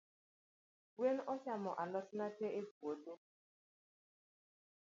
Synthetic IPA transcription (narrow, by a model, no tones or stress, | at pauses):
wenɔʃamɔʔalɔsnateʔeɡuode